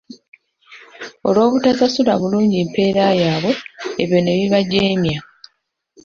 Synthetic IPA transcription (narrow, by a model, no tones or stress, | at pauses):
o̞̰lo̞ːβutazasulaβuluːɲɟimpe̞ːɾajaːβo̞eβjo̞ne̞βiβaɟe̞ːmja